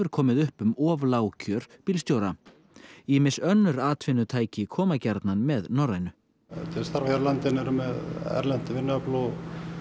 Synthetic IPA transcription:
ʏɾ̥kʰɔːmɪðʏhpʏmɔːvlaːwcʰœɾ̥pilst̪jowɾa | imɪnsœnːʏɾaːt̪ʰvɪnːʏt̪ʰaːjcɪkʰɔːmacɛɾt̪nanmɛðnɔrajnʏ | t̪ʰɪlst̪aɾvaçaɾlant̪ɪnɛɾmɛðɛ̰ɾlɛn̥t̪ɪvɪnːʏaploːw

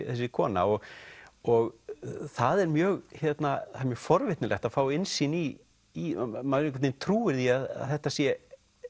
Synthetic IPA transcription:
θɛsːɪkʰɔːna̰ɔɣɔɣθaðɛɾmjœːɣçɛt̪naθaðɾmjœːɣfɔɾvɪt̪nɪlʔɛ̰xt̪aðfaːwɪnsiniː | maðɾɪ̃ŋkvat̪ejnt̪ʰɾuːɪɾθiaða̰ðθɛht̪asjɛ

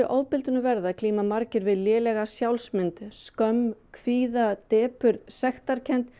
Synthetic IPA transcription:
ʏʔowpɪlt̪ʏnʏvɛɾðakʰliːmamaɾcɪɾvɪðljɛːlɛɣasjawlsmɪnt̪skœmkʰviːðat̪ɛːpʏɾðsɛxt̪aɾcʰɛnt̪

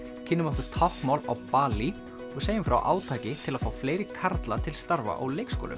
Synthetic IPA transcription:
cʰɪnːʏmakʏɾt̪ʰawhkmaːwlawpaːli | ɔɣseːjɪmfɾa̰wʔa̰ːwt̪ʰaːcɪt̪ʰɪlaðfaːwfleːjɾɪkʰaɾt̪lat̪ʰɪlst̪aɾva̰ʔa̰wleːjkskoɔ̰ːlʏ̰

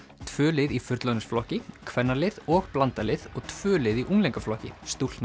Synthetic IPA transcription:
t̪ʰvœːlɪðifʏɾt̪lœnʏsflɔhcɪkʰvɛnːalɪðɔɣplant̪alɪðɔɣt̪ʰv̥ʏːlɪðiʔuŋlejŋkaflɔhcɪ̰st̪ult̪na

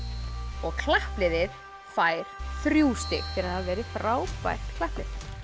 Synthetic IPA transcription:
ɔɣkʰlahplɪðɪð̥ | faːjɾ̥θɾjuːst̪ɪ̰θʰɪɾaðhaðvɛːɾɪθɾaːwpva̰jr̥t̪kʰlahplɪ̰ð

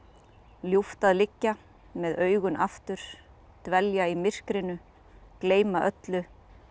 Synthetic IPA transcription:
ljuft̪aðlɪcːa | mɛðœːɥɣʏnʔaft̪ʏɾ̥ | t̪vɛljaimɪr̥kɾɪnʏ | kleːjmaʔœt̪lʏ

